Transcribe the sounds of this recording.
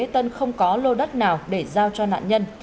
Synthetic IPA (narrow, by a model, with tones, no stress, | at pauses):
t̪ə˧nxə˧wŋ͡mkɔ˨˦lo˧ɗə˦˥t̚naː˨˩wɗe˧˩zaː˧wt͡ɕɔ˧na̰ː˧˨nɲə˧n